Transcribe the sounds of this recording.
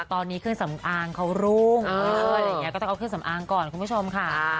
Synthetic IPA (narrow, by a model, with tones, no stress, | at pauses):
t̪ɔː˧nːiː˦˥kʰɯ˥˩ŋsa˩˦mʔaː˧ŋkʰa˦˥wɾuː˥˩ŋː˧˥˧jkɔː˥˩˥ʔwkʰɯ˥˩ŋsa˩˦mʔaː˧ŋkɔː˨˩nku˧mpʰu˥˩t͡ɕʰo˧mkʰa˥˩